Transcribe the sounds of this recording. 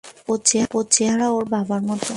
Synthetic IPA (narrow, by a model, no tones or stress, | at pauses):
ot͡ɕeot͡ɕeɦaɾaoɾbabaɾmɔt̪o